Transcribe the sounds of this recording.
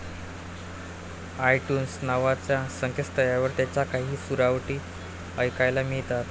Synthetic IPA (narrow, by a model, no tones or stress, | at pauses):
ajʈjuːnsnaʋat͡ɕjasəŋkʰest̪əjaʋəɾt̪jat͡ɕjakaɦiːsuɾaʋʈiː | əjkajlamiɭt̪at̪